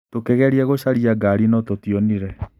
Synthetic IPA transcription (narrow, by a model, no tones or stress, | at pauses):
tokɛɣɛɾiɛɣoɕaɾiaɡaɾinɔtotiɔniɾɛ